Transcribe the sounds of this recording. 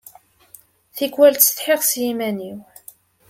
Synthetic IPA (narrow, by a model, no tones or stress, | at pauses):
θikwælt̪sθħeʁsjimæniw